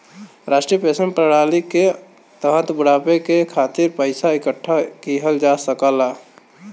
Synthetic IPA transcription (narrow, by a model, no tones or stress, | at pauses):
ɾasʈɾiəpesənpɾəɽalike | t̪əɦə̃t̪bəɽapekekʰaːt̪iɾpəɪsaɪkəʈʰːakiɦəld͡ʒasəkəla